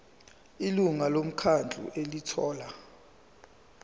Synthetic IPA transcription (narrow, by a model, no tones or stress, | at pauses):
iluŋalom̩kʰand͡ɮʱṵʔelitʰɔːla